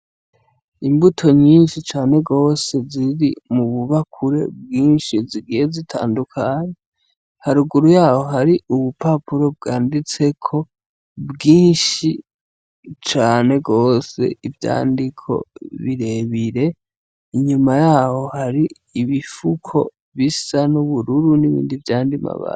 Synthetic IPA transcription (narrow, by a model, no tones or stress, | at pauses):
imbutʰo̞ɲiːnʃit͡ʃaːne̞ɡo̞ːse̞ziɾimuβuβakʰuɾe̞̰b̚ɡiːnʃiziɡijezitʰa̰ːndukʰaɲe | haɾuɡuɾujaːho̞ɦaɾiʔuβupapuɾo̞b̚ɡaːndit͡se̞kʰo̞ | bɡiːnʃi | t͡ʃaːne̞ɡo̞ːse̞̰ivja̰ːndikʰo̞̰βiɾe̞βiɾe̞ | iɲumajaːho̞haɾiː | βifukʰo̞̰ | βisanuβuɾuɾuniβḭːndivjaːndima̰βa̰